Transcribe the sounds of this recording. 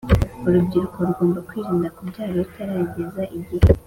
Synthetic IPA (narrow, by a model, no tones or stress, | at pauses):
uɾubɟiɾuko̞ɾuɡoːmbakwiːɾiːndakubɟaːɾitʰaɾaːɲɟezaʔiɟihe